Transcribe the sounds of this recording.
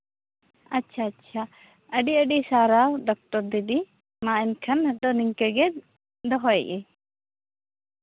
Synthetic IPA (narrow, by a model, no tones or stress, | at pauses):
ɐtːt͡ʃʰaːtːʃʰa | əɖiəɖisaɾawɖɔk̚ʈɔɾd̪id̪i | mãɛnkʰɐnəɗɔniŋkɛɡɛ | d̪ɔɦɔɛʔɛ